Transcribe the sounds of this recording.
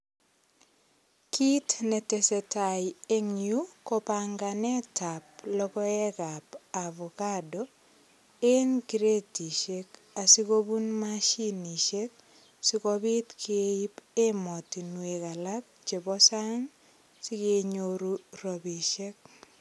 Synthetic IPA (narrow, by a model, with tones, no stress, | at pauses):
ki˦tnɛ˨te˨se˨taje˦ŋjukɔpaŋɡanɛ˦tap̚lɔ˦kɔ˦ɛ˦kapaβɔ˨kadɔ | e˦nki˨ɾe˦ti˨ʃek | a˨si˦ko˦bu˦nmaʃi˦ni˨ʃe˦k̚ | sɪkobi˦tkʰeei˦pe˦mɔ˨ti˨nwe˨ka˨lak̚ | t͡ʃe˨bɔ˦sa˦ŋ | si˦keɲoɾurobiʃe˦k̚